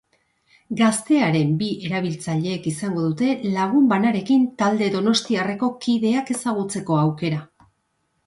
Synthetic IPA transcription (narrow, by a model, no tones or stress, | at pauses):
ɡast̪e̞aɾe̞mbie̞ɾaβ̞ilt͡saʎe̞ːkisaŋɡo̞ðut̪e̞laɣ̞umbanaɾe̞kint̪ald̪e̞ðo̞no̞st̪iare̞ko̞kiðe̞ake̞saɣ̞ut͡se̞ko̞awke̞ɾa